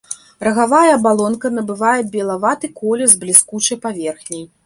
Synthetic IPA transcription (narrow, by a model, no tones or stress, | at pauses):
rɐɣavajɐːbalˠɔnkɐnɐbɨvajɛbʲɛlˠavat̪ɨkɔlʲɛzblʲiskut͡ʂɐjpavʲɛrxnʲej